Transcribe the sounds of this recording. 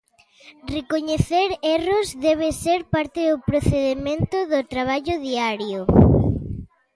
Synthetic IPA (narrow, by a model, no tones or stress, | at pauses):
rekoɲeθeɾerozðɛβ̞eseɾpaɾt̪eðʊpɾoθeðemẽnt̪ʊðʊt̪ɾaβ̞aʎʊðiaɾjʊ